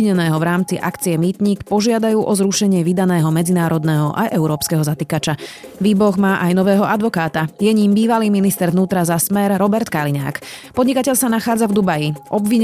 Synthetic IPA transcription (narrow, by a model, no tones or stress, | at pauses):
ɲɛnɛːɦɔʋɾaːmt͡siʔakt͡siɛmiːt̪ɲiːkpɔʒɪad̪ajuːʔɔzɾuʃɛɲɪɛʋid̪anɛːɦɔmɛd͡zinaːɾɔd̪nɛːɦɔʔajʔɛʊɾɔːpskɛɦɔzat̪ikat͡ʃa | ʋiːbɔɣmaːʔajnɔʋɛːɦɔʔad̪ʋɔkaːt̪ajɛɲiːmbiːʋaliːminist̪ɛɾʋnuːt̪ɾazasmɛɾɾɔbɛɾt̪kaliɲa̰ːkpɔd̪ɲikacɛʎsanaxaːd͡zavd̪ubajiʔɔbʋiɲ